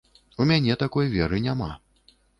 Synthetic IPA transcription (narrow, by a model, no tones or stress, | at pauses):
umʲanʲɛt̪akɔjvʲɛɾɨnʲama̰